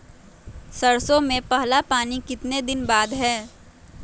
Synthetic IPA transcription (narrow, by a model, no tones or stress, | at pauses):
sɐɾsõmẽpɐɦlapaːnikɪt̪ned̪ɪnbaːd̪ɦɛː